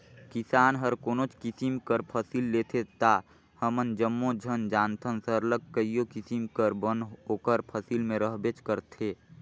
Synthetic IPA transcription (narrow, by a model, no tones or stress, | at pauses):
kisaːnɦəɾkoːnot͡ʃkisimkəɾpʰəsilːet̪ʰet̪a | həmənd͡ʒəmːod͡ʒʱənd͡ʒaːnt̪ʰənsəɾləɡ̚kəijokisimkəɾbənɦɦoːkəɾpʰəsilmẽɾəɦbet͡ʃkəɾt̪ʰe